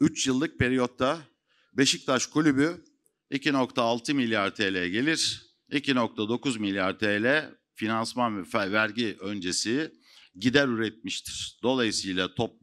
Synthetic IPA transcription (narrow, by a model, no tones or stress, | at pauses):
yt͡ʃjɯlˠːɯk̚pe̞ɾijo̞t̪ʰːa | be̞ʃik̚t̪ʰaʃkʰulʲyby | icino̞kt̪ʰaːlˠt̪ʰɯmilʲjaɾt̪ʰeːlʲɛɟe̞lʲiɾ̥ | icino̞k̚t̪ʰad̪o̞kuzmilʲjaɾt̪ʰeːlʲɛ | finansmanfvæɾɟiʔø̞nd͡ʒe̞si | ɟid̪æɾyɾɛt̪̚miʃt̪ʰi̥ɾ̥d̪̥o̞lˠajɯsɯjlˠat̪ʰop̚